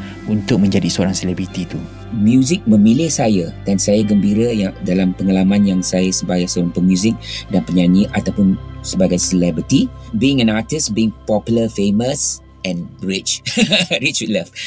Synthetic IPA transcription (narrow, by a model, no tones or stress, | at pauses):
unt̪ʊk̚mə̃ɲd͡ʒadisəoɾaŋselɛbɾit̪it̪u | mjuzɪk̚mə̃milɪhsajadansajaɡəmbiɾajadalampəŋalamãnjaŋsajasəbajasəoɾaŋpəmjuzɪk̚danpəɲãɲiʔat̪awpʊnsəbaɡajsəlɛbɾit̪ibiɪ̃ŋɛ̃natɪsbiːŋpɔpjuləfeməs | ʔɛ̃nɹɪt͡ʃɹit͡ʃwit̪̚laf